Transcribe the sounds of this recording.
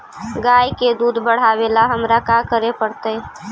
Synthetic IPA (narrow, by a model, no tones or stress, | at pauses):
ɡaːjked̪uːd̪bəɽ̤aʋelaɦəmɾakakəɾepəɽt̪ə